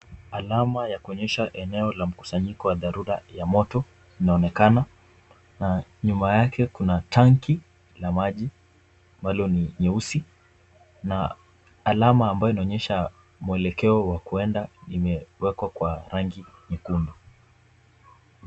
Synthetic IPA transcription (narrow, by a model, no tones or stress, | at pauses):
alamajakuɔɲɛʃaʔɛnɛɔlam̩ku̥saɲikɔwaðaɾuɾajamɔtɔ | inaɔnɛkana | naɲumajakʰɛkunataŋki | lamaʄi | ambalɔniɲɛusi | na̰ː | lamaːmbajɔinaɔɲɛʃa | muɛlɛkɛɔwakuɛndaimɛwɛkwakwaɾaŋɡiɲɛkundɔ